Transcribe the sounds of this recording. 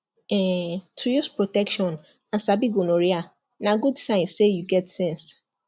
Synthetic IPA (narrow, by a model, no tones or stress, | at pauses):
ɛ̃tʰɾujɔspɹotɛkʃɔ̃n | ãsabiɡonoɾia | naɡudsãɪ̃nsejuɡɛtsɛ̃ns